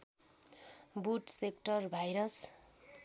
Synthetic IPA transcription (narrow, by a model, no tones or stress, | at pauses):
buʈsekʈʌrbʱajɾʌs